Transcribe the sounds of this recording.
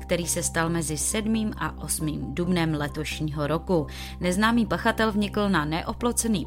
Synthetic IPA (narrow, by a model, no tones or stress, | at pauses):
kt̪ɛɾiːsɛst̪almɛzɪsɛdmiːmʔa̰ʔo̞smiːmdubnɛmlɛt̪o̞ʃɲiːɦo̞ɾo̞ku | nɛznaːmiːpaxat̪ɛlvɲɪkl̩nanɛʔo̞plo̞t͡sɛniː